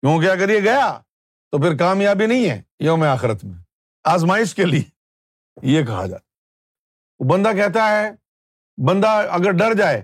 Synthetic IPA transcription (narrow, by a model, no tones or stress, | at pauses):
kjõːk̬eɐɡəɾjeɡɐjaː | t̪opɪɾk̬aːmjaːbinɐɦĩɦɛ̰̃ːjomẽaːxɪɾət̪mẽː | aːzmaːɪʃkelie | jek̬ɐɦa̰d͡ʒa̰ːt̪a | obɐ̃nd̪akɛɦt̪aɦɛː | bɐ̃nd̪aɐɡəɾɖɐɾd͡ʒaːeː